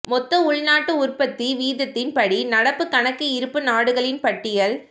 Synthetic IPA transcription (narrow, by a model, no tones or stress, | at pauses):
mɔt̪ːɐʊɭnaːʈːɯʊrpɐt̪ːiʋiːðɐt̪ːɪnpɐɽinɐɽɐpːɯkɐɳɐkːɯɪɾɯpːɯnaːɽɯɣɐɭɪnpɐʈːɪjɐɭ